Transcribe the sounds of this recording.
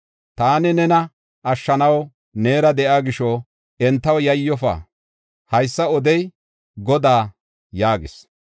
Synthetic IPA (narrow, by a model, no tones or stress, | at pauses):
t̪aːnɪnɛnɐ | ʔɐʃːɐnɐw | neːɾɐd̪ɛʔaːɡɪʃɔ | ɛnt̪ːɐwjɐjːɔfa̰ː | hɐjsːɐɔd̪ɛj | ɡɔd̪aː | jaːɡɪs